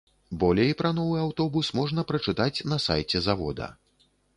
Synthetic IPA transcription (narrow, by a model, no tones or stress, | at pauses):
bɔlʲɛipɾɐnɔvɨawt̪ɔbusmɔʐnɐpɾɐt͡ʂɨt̪at͡sʲn̪ɐsa̰jt͡sʲɛzavɔ̰d̪ɐ̰